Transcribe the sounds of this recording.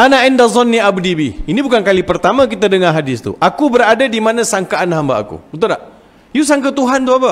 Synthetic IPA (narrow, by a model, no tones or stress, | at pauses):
ʔanaɪndazɔnːiabudibiinibukankalipərt̪amãk̬it̪adəŋãɦadɪst̪ṵʔakubəɾadadimanãsaŋkaʔanɦambaa̰kṵut̪udaʔ | jus̬aŋkət̪uɦant̪uapə